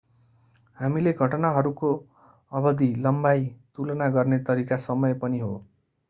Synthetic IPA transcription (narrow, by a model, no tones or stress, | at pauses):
hamileɡʱʌʈnaɦʌɾuko | ʌbʌd̪ʱilʌmbajt̪ulʌnaɡʌrnet̪ʌɾikasʌmʌjpʌniɦo